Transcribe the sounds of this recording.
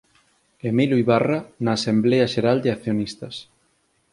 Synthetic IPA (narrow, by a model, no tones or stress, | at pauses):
emilujβaranaːsembleɐʃeɾald̪ɪak̚θjonist̪ɐs